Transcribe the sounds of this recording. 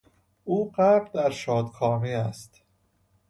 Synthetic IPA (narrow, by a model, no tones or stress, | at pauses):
ʔuːɢæɾd̪æɾʃɒːd̪kʰɒːmiːæst̪